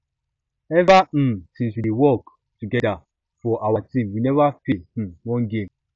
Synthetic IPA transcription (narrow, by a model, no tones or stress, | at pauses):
ɛvam̩sĩnswiiwɔk | tuɡɛda | fɔʔawatĩmwinɛvafĩwɔ̃nɡẽm